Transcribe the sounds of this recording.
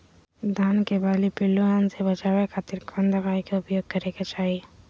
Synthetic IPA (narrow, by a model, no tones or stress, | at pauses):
d̪ʱaːnkebaːlipɪlːuaːnsebɐt͡ʃaːʋekʰaːt̪ɪɾkʰãnd̪əmaːikeʊpjoːɡ̚kɐɾeket͡ʃaːɦi